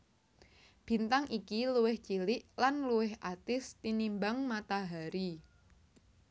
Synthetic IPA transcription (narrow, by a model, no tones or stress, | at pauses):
b̥i̤nt̪aŋʔikiluwɪht͡ʃilɪʔlanluwɪɦʔat̪ɪst̪inimbaŋmat̪aɦaɾi